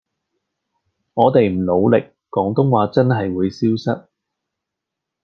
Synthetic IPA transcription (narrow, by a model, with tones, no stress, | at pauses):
ŋɔː˨˧t̪e˨jm̩˨˩lo˨˧wlɪ˨kːɔː˨˥ŋt̪ʊ˥ŋwaː˨˧t͡sɐ˥nɦɐ˨jwuː˨˧jsiː˥wsɐ˥t̚